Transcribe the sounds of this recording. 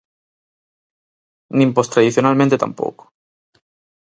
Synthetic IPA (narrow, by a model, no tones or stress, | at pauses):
nĩmpost̪ɾaðiθjonalmẽnt̪et̪a̰mpo̰ko̥